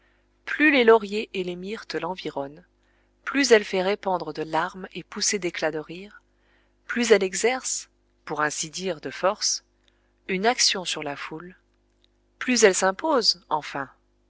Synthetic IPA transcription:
plylelɔʁjeʔelemiʁt̪lɑ̃viʁɔn | plyzɛlfɛʁepɑ̃d̪ʁəd̪əlaʁmepused̪eklad̪əʁiːʁ | plyzɛlɛɡzɛʁs | puʁɛ̃sid̪iʁd̪əfɔʁs | ynaksjɔ̃syʁlaful | plyzɛlsɛ̃pozɑ̃fɛ̃

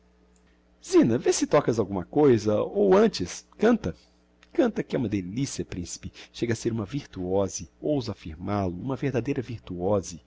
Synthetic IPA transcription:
z̥ĩnɐvesɪt̪ɔkɐzawɡũmɐkojzɐowɐ̃t͡ʃɪskɐ̃nt̪ɐ | kɐ̃nt̪ɐkɪɛũmɐd̪elisiɐpɾĩsi̥pɪʃeɡɐaseɾũmɐviɾt̪uɔzɪowzɐafiɾmalʊũmɐveɾd̪ad̪ejɾɐviɾt̪uɔzɪ

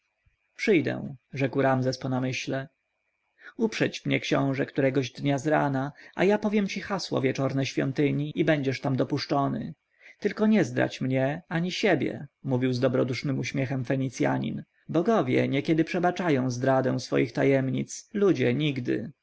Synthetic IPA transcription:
pʂɘjd̪ɛ̰w̃ʐɛkwɾamzɛspɔnamɘɕlɛ | upʂɛt͡ɕmɲɛkɕɔ̰̃w̃ʐɛkt̪uɾɛɡɔʑd̪ɲazɾa̰naʔa̰japɔvʲjɛmt͡ɕixaswɔ̰vʲjɛt͡ʂɔɾnɛɕfʲjɔ̰nt̪ɘɲiʔibɛɲd͡ʑɛʂt̪amd̪ɔpuʂt͡ʂɔnɘ̰ | t̪ɘlkɔɲɛzd̪ɾa̰t͡ɕmɲɛaɲiɕebʲjɛ̰muvʲiwzd̪ɔbɾɔd̪uʂnɘmuɕmʲjɛxɛmfɛɲit̪sʲja̰ɲḭn | bɔɡɔvʲjɛ̰ɲɛkʲɛd̪ɘpʂɛbat͡ʂajɔ̃w̃zd̪ɾad̪ɛ̃w̃sfɔ̰jixt̪ajɛmɲḭt̪slud͡ʑɛɲiɡd̪ɘ̰

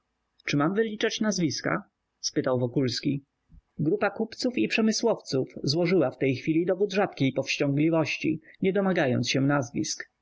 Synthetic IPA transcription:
t͡ʂɘmamvɘlʲit͡ʂat͡ɕnazvʲiska̰ | spɘt̪awvɔkulskʲi | ɡɾupakupt̪sufipʂɛmɘswɔft̪sufzwɔʐɘwaft̪ɛjxfʲilʲid̪ɔvud̪ʐat̪̚kʲejpɔfɕt͡ɕɔŋɡlʲivɔɕt͡ɕḭɲɛd̪ɔmaɡajɔnt̪sɕɛnazvʲḭsk

